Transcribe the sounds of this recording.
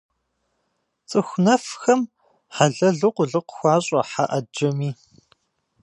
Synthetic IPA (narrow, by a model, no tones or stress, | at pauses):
t͡sʼɨxʷnɐfxɐm | ħaɮɐɮɨqʷʊɮɨqʷxʷɑːɕʼɐħa̰ʔɐd͡ʒɐmiː